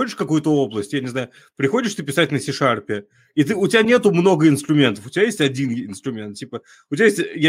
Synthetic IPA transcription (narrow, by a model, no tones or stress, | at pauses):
odʲɪʂkɐkujʊt̪əo̞blˠəsʲtʲjanʲɪznajʊ | pɾʲɪxo̞dʲɪʂt̪ɨpʲɪsatʲnəsʲɪʂarpʲɪ | it̪ɨʊtʲɪbʲanʲet̪ʊmno̞ɡəɪnst̪ɾʊmʲe̞nt̪əfʊtʲɪbʲajesʲtʲɐdʲinɪnst̪ɾʊmʲe̞nt̪̚tʲipə | ʊtʲɪbʲæjesʲtʲja